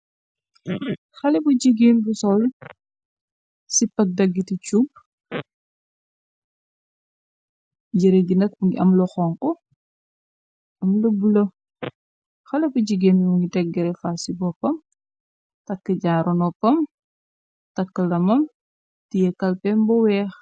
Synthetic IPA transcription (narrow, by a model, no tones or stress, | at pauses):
xɐlɛbuɟiɡeːmbusɔl | sipɐk̚dɐɡːitit͡ʃub̚ | ɟiɾeɡinɐk̚ɐmlɔxɔːŋkɔ | ɐmlɐbulɐ | xɐlɛbuɟiɡemmuŋɡidɛɡːɛɾɛfasibɔpːɐm | tɐkːəɟaːɾɔnɔpɐm | tɐkːəlɐmɐm | tijɛkɐlpɛmbɔwɛːx